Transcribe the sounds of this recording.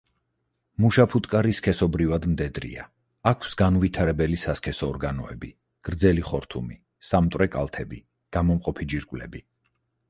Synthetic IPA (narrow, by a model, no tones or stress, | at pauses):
muʃapʰut̪ʼkʼaɾiskʰɛsɔbɾivad̪md̪ɛd̪ɾḭa̰ː | kʰwsɡanvit̪ʰaɾɛbɛlisaskʰɛsɔːɾɡanɔɛbi | ɡ̥ɾd̪zɛliχɔɾt̪ʰumi | samt̪ʼwɾɛkʼa̰lˠt̪ʰɛbi | ɡ̥amɔmqʼɔpʰid͡ʒiɾkʼvlɛ̰bi